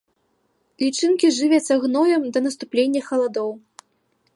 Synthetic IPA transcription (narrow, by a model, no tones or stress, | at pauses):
lʲit͡ʂɨnkʲiʐɨvʲɛt͡s̪ʲɐɣnɔjɛmd̪ɐnɐst̪uplʲenʲːɐxɐlˠad̪ɔw